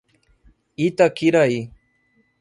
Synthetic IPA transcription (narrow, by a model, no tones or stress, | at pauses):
it̪akiɾaj